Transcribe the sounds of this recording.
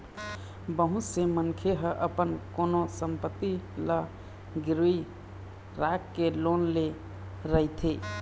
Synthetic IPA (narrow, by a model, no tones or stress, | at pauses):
bəɦũsemənkʰeɦəʔəpənkonosəmpət̪ːilə | ɡiɾui | ɾakːelonle | ɾəɦit̪ʰi